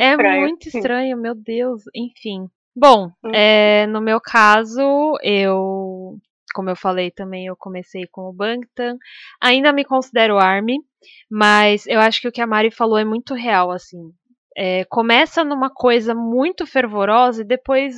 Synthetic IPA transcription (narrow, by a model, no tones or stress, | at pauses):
ɛmũj̃t̪ʊist̪ɾɐ̃ɲʊmewd̪ewsẽfĩ | bõw̃ɛnʊmewkʰazʊew | kõmʊewfalejt̪ɐ̃mbẽj̃ewkõmesejkõw̃ʊbɐ̃kt̪ɐ̃aĩnd̪ɐmɪkõsid̪ɛɾʊaɾmɪ | mɐzewaʃʊ̥kɪʊkɪɐmaɾifaloɛmũj̃t̪ʊɦeawasĩ | ɛkomɛsɐnũmɐkʰojzɐmũj̃t̪ʊfeɾvoɾɔzɐɪd̪epojs